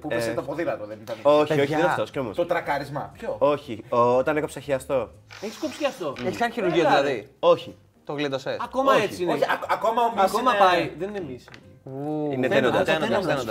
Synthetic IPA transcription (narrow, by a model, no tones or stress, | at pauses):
pueset̪opoðilɐt̪oðenit̪ɐnoçoçiðenɐft̪o̞sceo̞most̪ot̪ɾɐkɐɾizmɐpçoo̞çiot̪ɐne̞kopsɐçiɐst̪o̞ | eçi̥skopsi̥çiɐst̪oeçiskɐnçiɾuɾʝioðilɐðio̞çi | t̪oɣlid̪osesɐko̞mɐoeçt͡siinoɐkomɐɐskomɐpɐiðeninemism | ineenoɐenenod̪ɐ